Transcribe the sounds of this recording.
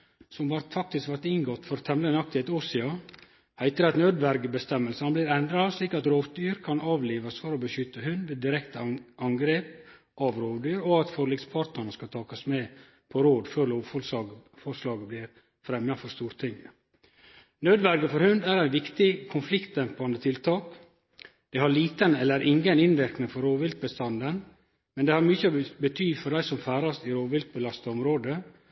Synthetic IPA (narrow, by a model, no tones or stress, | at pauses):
sɔmʋɑɾt̪fɑk̚t̪ɪskʋæɾt̪ɪnɡɔt̪ːfɔɾt̪ʰɛmlənɑk̚t̪ɪet̪ʊsɪɑ | hæɪt̪əɾɑt̪nøːd̪ʋæɾɡəbəst̪ɛmːəlsənblɪɾɛnd̪ɾɑsliːkɑt̪ɾoːʋd̪yːɾkʰɑnɑːʋliːʋɑsfɔɾɔbəʃʏt̪ːəhʉnd̪ʋeːd̪ɪɾɛkt̪əʔɑŋɡɾeːp̚ | ʔɑʋɾoːʋd̪yːɾɔɑt̪fɔɾlɪɡspʰɑːɾt̪əɳəskɑt̪ʰɑːkɑsmeː | pʰɔɾoːd̪føːɾloːffɔɾslɑːɡəblɪɾ | fɾɛmjɑfɔɾst̪uːɾt̪ʰɪŋ | nøːd̪ʋæɾɡəfɔɾhʉnd̪æɾæɪʋɪkt̪ɪkʰʊnflɪkt̪̚ɛmpɑnd̪ət̪ʰɪlt̪ʰɑːk | d̪̥æhɑɾɭiːt̪ənɛlːəɾʔɪŋənɪnʋɪɾknɪŋfɔɾoːʋɪlt̪̚bəst̪ɑnd̪ən | mɛnd̪ɛːhɑɾmʏçəbət̪ʰyːfɔɾɖæɪsɔmfæːɾɑsɪɾoːʋɪlt̪̚bəlɑst̪ɑɔmɾoːd̪ə